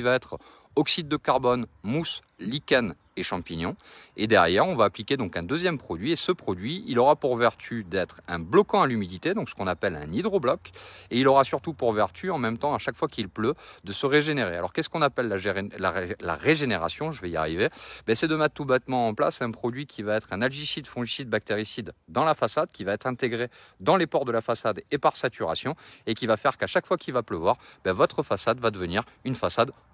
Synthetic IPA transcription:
ivaɛt̪χ | ɔksid̪ːəkaʁbɔnmus | likan | eʃɑ̃piɲjɔ̃ed̪ɛʁjɛʁɔ̃vaːplikʲed̪ɔ̃kɛ̃d̪øzjɛmpχɔd̪ɥiesəpχɔd̪ɥiilɔʁapuʁvɛʁt̪ʰyd̪ɛt̪χɛ̃blɔkɑ̃alymid̪it̪ed̪ɔ̃ksə̥kɔ̃napɛlɛ̰̃nid̪ʁɔblɔkeilɔʁasyʁt̪upuʁvɛʁt̪ʰyɑ̃mɛmt̪ɑ̃aʃakfwakilplød̪əsəʁeʒeneʁḛalɔʁkɛsə̥kɔ̃napɛlːala̰la̰ʁeʒeneʁa̰sjɔ̃ʒəvɛia̰ʁivebɛsɛd̪əmɛt̪t̪ːubɛt̪mɑ̃ɑ̃plasɛ̃pχɔd̪ɥikʲʰivaɛt̪χɛ̃nalʒiʃid̪fɔ̃ʒisid̪̚bak̚t̪eʁisid̪ːɑ̃lafasad̪kʲivaɛt̪χɛ̃t̪eɡʁed̪ɑ̃lepɔʁd̪əlafasad̪epaʁsat̪yʁa̰sjɔ̃ekʲivafɛʁkaʃakfwakilvapləvwaʁbɛvɔt̪χəfasad̪vad̪əvəniʁ | ynfasad̪

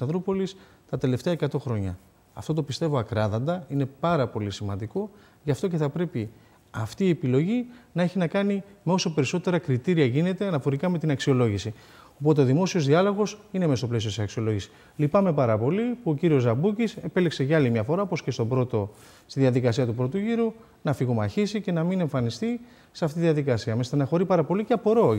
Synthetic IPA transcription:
st̪ɐnðɾupo̞lis | t̪ɐt̪e̞le̞ft̪eɐekɐt̪o̞xɾo̞ɲɐː | ft̪o̞t̪̬o̞pist̪e̞vo̞ɐkɾɐðɐnd̪ɐine̞pɐɾɐpo̞lisimɐnd̪iko̞ | ʝɐft̪o̞c̬e̞θɐpɾe̞pi | ɐft̪iːe̞pilo̞ʝinɐeçinɐkɐnime̞o̞so̞pe̞ɾiso̞t̪e̞ɾɐkɾit̪iɾiɐʝine̞t̪e̞ɐnɐfo̞ɾikɐme̞t̪inɐksio̞lo̞ʝisi | o̞po̞t̪eoðimo̞sio̞zðiɐlo̞ɣo̞sinemest̪o̞ple̞siot̪isɐksio̞lo̞ʝisi̥ | lipɐme̞pɐɾɐpo̞lipuo̞ciɾio̞zɐbucise̞pe̞likse̞ʝɐɐlimɲɐfo̞ɾɐopo̞sce̞st̪o̞bɾo̞t̪o̞ | st̪iðiɐðikɐsiɐt̪upɾo̞t̪uʝiɾu | nɐfiɣomɐçisice̞nɐmine̞ɱfɐnist̪i | seɐft̪it̪iðiɐðikɐsiɐmest̪ɐnɐxo̞ɾipɐɾɐpo̞liceɐpo̞ɾo̞

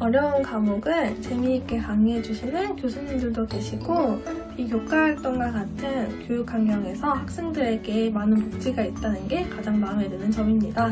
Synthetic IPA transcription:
ʌɾjʌunkamoɡɯɭt͡ɕe̞miːk͈e̞kaŋed͡ʑuɕʰinɯnkjosʰunːimdɯɭdoke̞ɕʰiɡ̥opikjok͈aɦaɭt͈ʌŋɡwakatʰɯnkjojuk͈ʰːaŋɡjʌŋe̞sʰʌhak̚s͈e̞ŋdɯɾe̞ɡ̥eːmanɯnpok̚t͡ɕ͈iɡait̚t͈anɯnɡe̞kad͡ʑaŋmaɯmɦedɯnɯnt͡ɕʌmimɲida

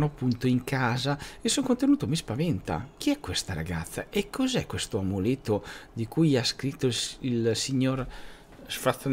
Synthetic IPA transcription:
noapːunt̪oiŋkʰaːzaesoŋkont̪enuːt̪omispavɛnt̪a̰k̟iɛkwest̪aɾa̰ɡat̪sːaʔekʰːozɛkːwest̪oamulet̪ːod̪ikujaskɾit̪ːoilsiɲoɾ | sfɾat̪s

